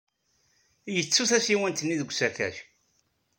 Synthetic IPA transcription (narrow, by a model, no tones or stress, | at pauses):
jət͡sːuθæsiwənt̪ənːiðəɡʷsækæ̰ç